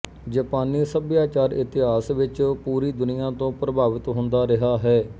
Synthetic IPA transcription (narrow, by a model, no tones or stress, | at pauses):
d͡ʒaːpaːnːiːsəbjaːt͡ʃaːɾɪt̪ɪɦaːsʋɪt͡ʃpuːɾiːd̪ʊnɪjãːt̪õːpɾəbaːʋɪt̪ɦʊ̃nd̪aːɾɪɦaːɦɛː